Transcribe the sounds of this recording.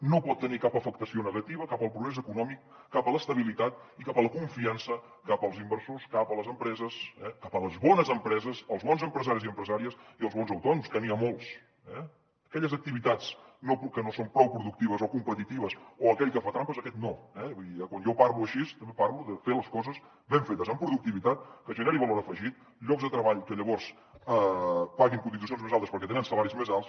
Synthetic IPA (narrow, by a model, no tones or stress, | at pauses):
nopɔt̪ːənikapəfək̚t̪əsionəɣət̪iβəkapəlˠpɾuɣɾɛzəkunɔmikːapələst̪əβ̞ilit̪at̪ikapələkuɱfiansə | kapəlˠzimbəɾsoskapələzəmpɾɛzəsɛkapələzβɔnəzəmpɾɛzəsəlˠzβɔnzəmpɾəzaɾiziəmpɾəzaɾiəsiəlzβɔnzəwt̪ɔnumskəniəmolˠs | ɛ̰ | əkɛʎəzək̚t̪iβit̪at͡snopkənosompɾɔwpɾuðuk̚t̪iβəzokumpət̪it̪iβəsoəkɛʎkəfat̪ɾampəzəkɛt̪noɛbuðiəkwanjopaɾluəʃist̪əmbepaɾluðəfeləskɔzəz | βeɱfet̪əzəmpɾuðuk̚t̪iβit̪at̪̚kəʒənɛɾiβəloɾəfəʒit̪̚ | ʎɔɡzðət̪ɾəβaʎkəʎəβɔɾs | əpaɣiŋkund̪it̪us̬jonzmezalˠt̪əspəɾkɛt̪enənsəlaɾizmezalˠs